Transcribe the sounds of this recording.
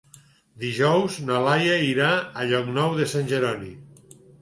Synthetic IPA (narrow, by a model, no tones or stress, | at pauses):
d̪iʒɔwznalajaiɾaːʎɔknɔwðesanʲʒeɾɔni